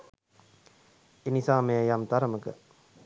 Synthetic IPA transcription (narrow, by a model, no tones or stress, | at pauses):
enisaːmeəjamt̪aɾəməkə̰